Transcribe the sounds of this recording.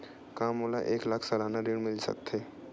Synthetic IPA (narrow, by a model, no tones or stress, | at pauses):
kaːmoːla̰ʔeːklaːkʰsəlaːnaɾeːɽmɪlsə̰k̚t̪ɦeː